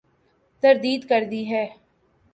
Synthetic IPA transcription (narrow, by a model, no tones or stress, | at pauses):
t̪əɾd̪iːd̪kəɾd̪iːɦɛː